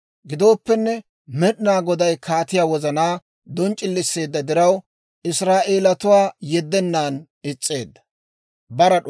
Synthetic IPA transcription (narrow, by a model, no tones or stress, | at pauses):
ɡɪd̪o̞ːpːɛnːɛ | mɛɗɪnaːɡɔd̪ɐjkʰaːt̪ɪjaːwɔzɐnaː | d̪ɔnt͡ʃʼɪlːɪsːe̞ːd̪ːɐd̪ɪɾɐw | ʔɪsɾaːʔe̞ːlɐt̪ʊwaːjɛd̪ːɛnːaːn | ɪt͡sʼːe̞ːd̪ːɐ̥ | bɐɾɐ